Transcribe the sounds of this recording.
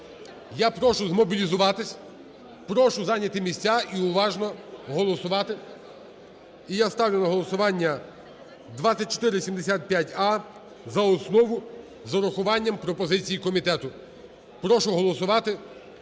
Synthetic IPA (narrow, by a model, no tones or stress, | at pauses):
japɾɔʃʊzmɔbʲilʲizʊʋɑt̪ɪsʲ | pɾɔʃʊzɑnʲɐt̪ɪmʲisʲt͡sʲaʔiʊʋɑʒnɔɦɔlˠɔsʊʋɑt̪ɪ | ijast̪ɑwlʲʊnɐɦɔlˠɔsʊʋɑnʲːɐ | d̪ʋasʲːɐt̚ʲt͡ʃːɔ̥t̪ɪɾɪsʲimd̪esʲat̪̚pʲjatʲɑ | zɐɔsnɔʋʊ | zɔɾɔxʊʋɑnʲːɐmpɾɔpɔzɪt͡sʲijikɔmʲit̪ɛt̪ʊ | pɾɔʃʊɦɔlˠɔsʊʋɑt̪ɪ